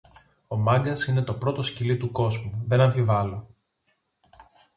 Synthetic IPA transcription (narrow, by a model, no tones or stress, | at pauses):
o̞mɐŋɡɐsine̞t̪o̞pɾo̞t̪o̞scilit̪uko̞zmuðe̞nɐɱfivɐlo̞